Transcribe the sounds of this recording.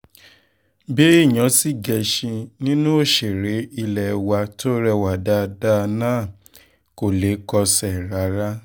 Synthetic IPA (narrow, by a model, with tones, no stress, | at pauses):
be˦i˦˨ɲ̃ɔ̃˨˦si˦ɡɛ˧ʃĩ˧nĩ˦nũ˦o˦˨ʃe˨ɾe˨˦i˧lɛ˨wa˧to˦ɾɛ˧wa˨da˦˧da˦˧nãː˦˨ | ko˨le˨˦kɔ˧sɛ˨ɾa˨˦ɾa˦